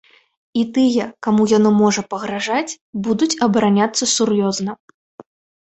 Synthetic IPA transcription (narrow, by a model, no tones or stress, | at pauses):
it̪ɨjɐkamujanɔmɔʐɐpɐɣɾaʐat͡sʲ | bud̪ut͡sʲɐbɐɾanʲat̪sːɐsurjɔznɐ